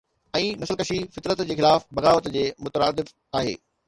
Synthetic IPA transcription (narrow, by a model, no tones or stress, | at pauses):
ɛ̃ːnɐsəlkɐʃifɪt̪ɾət̪d͡ʑeːxɪlaːfbɐɣaːʋət̪d͡ʑeːmʊt̪əɾaːd̪ɪf | aːɦḛː